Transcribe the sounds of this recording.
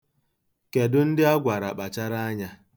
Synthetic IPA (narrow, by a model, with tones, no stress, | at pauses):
ke˨dʊ˦n̩˦dɪ˦a˦ɡʷa˨ɾa˨ɓa˨t͡ʃa˦ɾa˦a˦ɲa˦